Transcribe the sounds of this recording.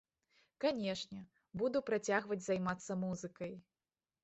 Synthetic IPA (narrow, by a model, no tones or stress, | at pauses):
kanʲɛʂnʲɛ | bud̪upɾat͡sʲaɣvɐd͡zʲzajmat̪sːɐmuzɨkɐj